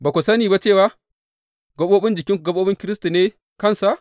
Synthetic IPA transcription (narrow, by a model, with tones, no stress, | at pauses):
ba˨kʷo˨sɐ˦niː˨ba˦t͡ʃe˦˨wa˦ | ɡɐ˦ɓoː˦bɪ˦nd͡ʒɪ˨kʲɪ˦ŋkɡɐ˦ɓoː˦ɓɪ˦ŋkʲɪ˦ɾɪ˦stu˨neː˦ | kɐ˦˨nsa˨ʔ